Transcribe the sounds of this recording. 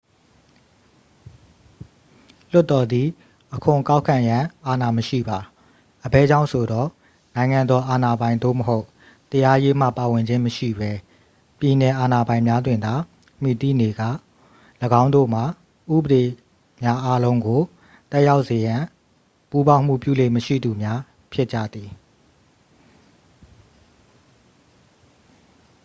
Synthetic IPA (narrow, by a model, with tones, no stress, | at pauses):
l̥ʊ˦tːɔ˨d̪i˨ | ʔəkʰʊ̃˨ka˦ʊkʰã˨jã˨˦ʔa˨na˨məʃḭ˦˨ba˨ | ʔəbɛ˦˨d͡ʑã˦ʊ̃sʰo˨dɔ˦˨ | nã˨ɪ̃ŋã˨nd̪ɔ˨˦ʔa˨na˨bã˨ɪ̃nd̪o̰˦˨məɦo˦ʊ | t̪əja˦je˦m̥ä̰˦˨pa˨wɪ̃˨ɲd͡ʑɪ̃˦məʃḭ˦˨bɛ˦ | pji˨nɛ˨ʔa˨na˨bã˨ɪ̃mja˦dwɪ̃˨nd̪a˨ | m̥i˨t̪ḭ˦˨ne˨ɡä̰˦˨ | ləɡã˦ʊ̃ndo̰˦˨m̥a˨ | ʔṵ˦˨bə˨ɾe˨ | mja˦ʔa˦lõ˦ʊ̃ŋɡo˨ | t̪ɛ˦ʔja˦ʊʔse˨jã˨ | pu˦bã˦ʊ̃m̥ṵ˦˨pjṵ˦˨le˦˨məʃḭ˦˨d̪u˨mja˦ | pʰjɪ˦ʔt͡ɕä̰˦˨d̪i˨